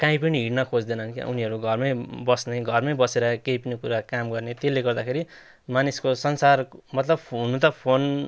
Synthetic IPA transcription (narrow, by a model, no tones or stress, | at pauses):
kaĩpʌniɦiʈnʌkʰod͡zd̪enʌɦʌnkja̰ʔuniɦʌɾuɡʱʌrmʌjbʌsnajɡʱʌrmʌjbʌseɾʌkejpʌnikuɾakamɡʌrnet̪elːeɡʌrd̪akʰeɾi | maniskosʌnsarmʌt̪lʌbpunut̪̬ʌpʰon